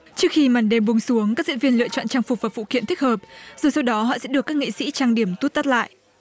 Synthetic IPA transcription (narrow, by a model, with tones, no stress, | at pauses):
t͡ɕɨ˦˥ək̚xi˧ma˨˩nɗe˧mɓu˨˧ŋ͡msu˨˦əŋkaː˦˥k̚zḭ˧˥nvi˧ənlɨ̰˧ət͡ɕɔ̰˧˨nt͡ɕaː˧ŋfʊ˨˩k͡p̚vaː˨˩fṵ˧˨ki˧ənt̪ʰi˦˥k̚həː˨˩p̚zo˨˩jsa˧wɗɔ˨˦ɦɔ̰˧˨sɛ̰˧˥ɗɨ˨˩əkːaː˦˥k̚ŋḭ˧˨sḭ˧˥t͡ɕaː˧ŋɗi˧˩əmt̪u˦˥t̚t̪a˦˥t̚la̰ː˧˨jʔ